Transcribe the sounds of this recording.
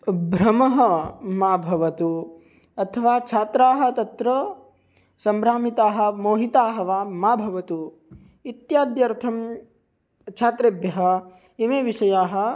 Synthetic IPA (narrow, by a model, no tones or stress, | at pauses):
bʱɾɐmɐɦɐmaːbʱɐʋɐt̪u | ɐt̪ʰɐʋaːt͡ʃʰaːt̪ɾaːɦɐ̆t̪ɐt̪ɾɐ | sɐmbɾaːmit̪aːɦɐ̆moːɦit̪aːɦɐʋaːmaːbʱɐʋɐt̪u | it̪jaːd̪jɐɾt̪ʰɐm | t͡ʃʰaːt̪ɾeːbjɐɦɐ̆ | imeːʋiʃɐjaːɦɐ̆